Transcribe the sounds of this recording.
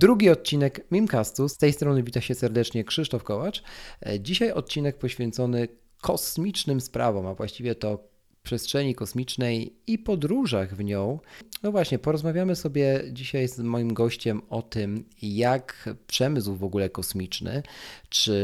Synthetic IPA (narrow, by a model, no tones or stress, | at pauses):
d̪ɾuɡʲiɔt̪̚t͡ɕinɛkmʲimkast̪ust̪ɛjst̪ɾɔnɘvʲit̪aɕɛsɛɾd̪ɛt͡ʂɲɛkʂɘʂt̪ɔfkɔwat͡ʂd͡ʑiɕajʔɔt̪̚t͡ɕinɛk̚pɔɕfʲjɛnt̪sɔnɘ | kʰɔsmʲit͡ʂnɘmspɾa̰vɔ̃mavwaɕt͡ɕivʲjɛt̪ɔ | pʂɛstʂɛɲikɔsmʲit͡ʂnɛjipɔd̪ɾuʐaɣvɲɔ̃w̃nɔvwaɕɲɛpɔɾɔzmavʲjamɘsɔbʲjɛd͡ʑiɕajzmɔjimɡɔɕt͡ɕɛmɔt̪ɘmjakpʂɛmɘswvɔɡulɛkɔsmʲit͡ʂnɘ̰t͡ʂɘ